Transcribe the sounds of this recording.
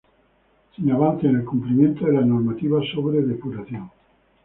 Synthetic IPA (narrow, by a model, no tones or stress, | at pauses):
sinaβanθeenelkumplimjent̪oðelanoɾmat̪iβasoβɾeðepuɾaθjõŋ